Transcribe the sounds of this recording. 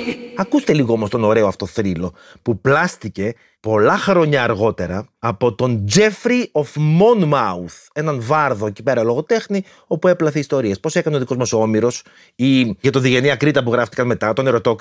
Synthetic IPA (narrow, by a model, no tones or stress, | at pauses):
ɐkust̪e̞liɣoomo̞st̪o̞no̞ɾe̞oɐft̪o̞θɾilo̞ | puplɐst̪ice̞ | po̞lɐxɾo̞ɲɐːɾɣo̞t̪e̞ɾɐːpo̞t̪o̞nd͡ze̞fɾiofmonmɐuθe̞nɐnvɐɾðo̞ecipe̞ɾɐlo̞ɣo̞t̪e̞xni | o̞pue̞plɐθeist̪o̞ɾiespo̞se̞kɐneo̞ðiko̞zmosoomiɾo̞s | iʝɐt̪oðiʝe̞niɐkɾit̪ɐpuɣɾɐft̪ikɐnme̞t̪ɐt̪o̞ne̞ɾo̞t̪ok